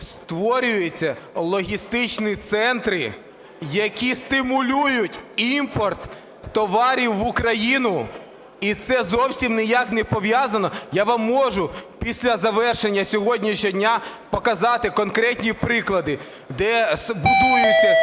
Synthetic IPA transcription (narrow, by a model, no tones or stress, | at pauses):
st̪ʋɔɾʲʊjʊt͡sʲːɐlˠɔɦʲist̪ɪt͡ʃnit̪sɛnt̪ɾɪ | jɐkʲist̪ɪmʊlʲujʊtʲimpɔrt̪ː | ɔʋɑɾʲiwːʊkɾɐjinʊ | it̪sɛzɔwsʲimnɪjaknɛpɔʋʲjazɐnɔjaʋɐmːɔʒʊpʲisʲlʲɐzɐʋɛrʃenʲːɐsʲɔɦɔdʲnʲiʃɔdʲnʲapɔkɐzɑt̪ɪkɔnkɾɛtʲnʲipɾɪklˠɐd̪ɪ | d̪ɛbʊd̪ujʊt͡sʲːɐ